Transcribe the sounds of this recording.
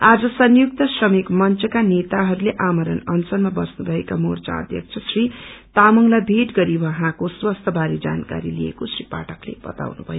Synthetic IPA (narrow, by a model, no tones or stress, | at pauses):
ad͡zʌsʌnjuk̚t̪ʌsrʌmikmʌnt͡sʌkanet̪aɦʌɾuleʔamʌɾʌnʌnt͡sʌlmabʌsnubʱʌekamort͡sã̰ʌ̰d̪ʱjʌ̰k̚t͡sʰʌsrit̪amʌŋlabʱeʈɡʌɾibʱʌɦãkoswʌst̪ʰʌbʱaɾid͡za̰nka̰ɾiliḛkosripa̰ʈʰʌklḛbʌ̰t̪a̰wnubʱʌjo